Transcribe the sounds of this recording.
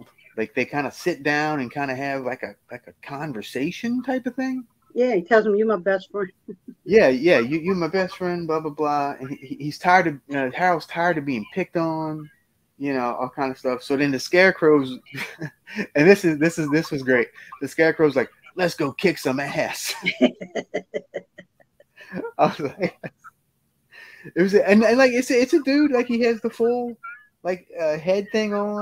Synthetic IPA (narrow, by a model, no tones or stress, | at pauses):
laɪk̚ðeɪkʰãɪ̃ndɨsɪt̚d̥ãʊ̃nɨ̃nkʰãɪ̃ndɨɨvlaɪkɨlaɪkɨkʰɑ̃ɱvə˞seɪʃɨ̃ntʰaɪpʌv̥θɪ̃ŋ | jæ̃itʰɛlˠzmijɨmaɪbɛstfɹɛ̃n̥jæjæjɨjɨəmaɪbɛstfɹɛ̃nblɑblablɑɨ̃niihiz̥tʰaɪə˞d̚tɨʌæɹl̩ˠz̥tʰaɪə˞d̚tɨbiɪ̃ŋpʰɪk̚tn̩ | jɨnoʊʔɔlˠkʰãɪ̃ndəv̥stʌfsoʊɨ̃nðɨskɛɹkʰɹ̥oʊz | ɨ̃nðɪsɨzðɪsɨzðɪswʌzɡɹeɪt̚ðɨskɛɹkʰɹ̥oʊzlaɪk̚lɨtsɡ̥oʊkʰɪksʌ̃mɨhæs | aɪwʌzlaɪk | ɨt̚wʌzɨɨ̃nɨ̃nlaɪkɨtsɨɪtsɨdʉdlaɪkhiɨzðəfʊlˠ | laɪkʌɦɛd̪̚θɪ̃ŋə